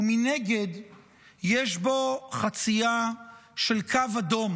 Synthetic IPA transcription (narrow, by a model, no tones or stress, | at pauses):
mineɡe̞d̪ | jeʃbo̞χat͡siaʃelkʰavad̪o̞m